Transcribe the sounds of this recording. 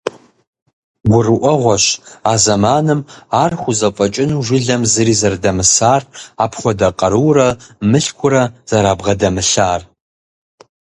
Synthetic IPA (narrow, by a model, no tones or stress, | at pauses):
ɡʷʊrɨʔʷɔʁʷɔʃaːzɐmaːnɨmaːrχʷʊzɐfʷʼɐt͡ʃʼɪnuʒʷɪɮɐmzɨɾiːzɐrdɐmɨsaːraːpʰχʷɔdɐqʼɐɾɨwrɐmɨɬkʷʰʊɾɐz̥ɐɾaːbʁɐdɐmɨɬaːr